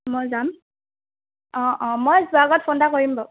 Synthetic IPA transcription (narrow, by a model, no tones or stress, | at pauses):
mojzam | ɔ̃ʔɔ̃mojzuaɡɔt̚pʰondakoɹimba